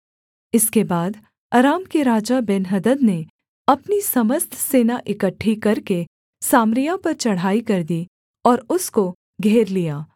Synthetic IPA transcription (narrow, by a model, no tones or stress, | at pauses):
ɪskebaːd̪ | aɾaːmkeɾaːd͡ʒabɛnɦɐd̪əd̪ne | ɐpnisɐməst̪ʰseːnaʔɪkəʈʰːikɐɾke | saːmɾijapɐɾt͡ʃɐɽ̤aːikɐɾd̪i | ɔːɾʊsko | ɡʱeːɾlijaː